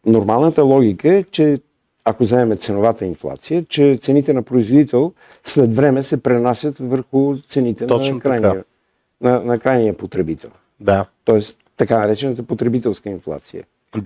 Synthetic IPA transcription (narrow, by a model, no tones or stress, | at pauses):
noɾmalˠnət̪əlˠɔɡ̟ʲikəɛt͡ʃɛ | akozɐɛmɛt̪sɛnovat̪əinflˠa̰t̪sijət͡ʃɛt̪sɛnit̪ɛnɐpɾoizvod̪it̪ɛlˠ | slɛt̪vɾɛmɛsɛpɾɛnasʲjət̪vəɾxʊt̪sɛnit̪ɛnɔkajn | nɐnɐkɾajnijəpot̪ɾɛbit̪ʰɛ̰lˠ | d̪at̪ɔɛs | t̪ːɐkanɐɾɛt͡ʃɛnət̪əpot̪ɾɛbit̪ɛlˠskəinflˠa̰t̪sijə̰